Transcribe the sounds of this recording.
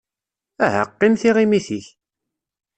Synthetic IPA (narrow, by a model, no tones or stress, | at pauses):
æhə̰qːinθiʁimiθiç